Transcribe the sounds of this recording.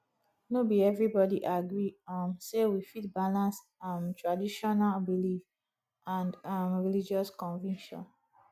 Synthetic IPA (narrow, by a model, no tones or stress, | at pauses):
nobiɛvɹibɔdiʔaɡɹimsewifit̚balãns | amtɹadiʃɔnalbilif | ãndamɹilid͡ʒɔskɔ̃nvɛ̃nʃɔ̰̃n